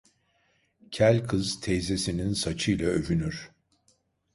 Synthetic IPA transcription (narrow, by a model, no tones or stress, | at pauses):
cʰælʲkʰɯzt̪ʰejze̞sininsat͡ʃʰɯjlʲˠaø̞vynyɾ̥